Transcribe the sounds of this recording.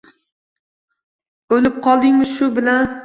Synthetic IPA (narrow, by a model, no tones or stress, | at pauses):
olɪp̚qʰɒlˠd̪ɪŋmɪʃʊbɪlan